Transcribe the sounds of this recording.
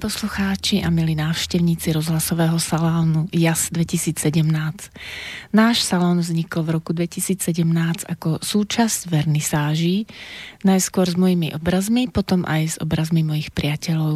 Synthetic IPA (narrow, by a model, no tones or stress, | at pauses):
pɔsluxaːt͡ʃiʔamilinaːʊʃcɛʊɲiːt͡siɾɔzɦlasɔʋɛːɦɔsalɔːnujazd̪ʋɛcisiːt͡ssɛɟɛmnaːt͡s | naːʃsalɔːnvzɲiklvɾɔkud̪ʋɛcisiːt͡ssɛɟɛmnaːt͡sakɔsuːt͡ʃazɟʋɛɾnisaːʒiːnajskʊɔɾzmɔjimiʔɔbɾazmipɔt̪ɔmʔa̰jzɔ̰bɾazmimɔjixpɾɪacɛʎɔʊ